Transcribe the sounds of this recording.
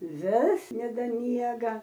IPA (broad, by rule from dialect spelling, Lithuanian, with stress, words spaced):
ˈʋʲɪs nʲɛdɐˈmʲiɛɡɐ